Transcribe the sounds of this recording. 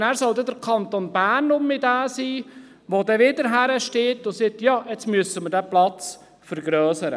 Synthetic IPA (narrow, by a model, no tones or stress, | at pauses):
næːɾsɔld̪ɛdəɾkʰɑnt̪onbæːrnʊmɪdæːsiː | ʋod̪ɛʋɪd̪əɾɦæɾəʃteːtʊsɛt̪jɑːɛt͡smyəsəməɾdæplɑt͡s | fəɾɡɾœːsəɾə